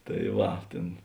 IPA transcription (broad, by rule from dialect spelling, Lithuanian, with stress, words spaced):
tɐ ˈʋɐ ˈtʲeːn